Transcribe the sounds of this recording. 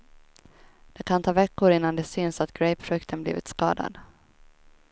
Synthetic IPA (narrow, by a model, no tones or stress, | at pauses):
d̪̥ɛkʰant̪ʰɑːvɛkːʊɾɪnːand̪ɛsʏnsat̪ɡ̥ɾɛjpʰɾɵkt̪ʰənblḭːvɪt̪skɑːd̪a̰d̪